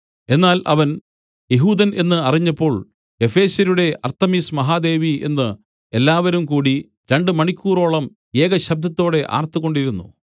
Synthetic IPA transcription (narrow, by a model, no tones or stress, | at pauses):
e̞nːaːlʔɐʋɐn | jeɦuːd̪ɐne̞nːɨɐriɲːɐpːo̞ːɭ | e̞fe̞ːsjɐɾuɽe̞ʔɐrt̪ːɐmiːsmɐɦaːd̪e̞ːʋie̞̰nːɨ | e̞lːaːʋɐɾumkuːɽi | ɾe̞ɳɖɨmɐɳikʲːuːro̞ːɭɐm | jeːɡɐɕɐb̚d̪ʱɐt̪ːo̞ːɽe̞ʔa̰ːrt̪uɣo̞ɳɖiɾunːṵ